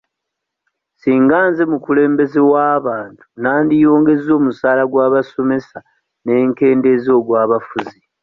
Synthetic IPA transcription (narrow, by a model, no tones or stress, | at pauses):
siːŋɡaːnze̞mukule̞ːmbe̞zewaːβaːntu̥naːndijo̞ːŋɡe̞zo̞ːmusaːlaɡwaːβaso̞me̞sa | ne̞ːŋke̞ːndezo̞ːɡwaːβafuzi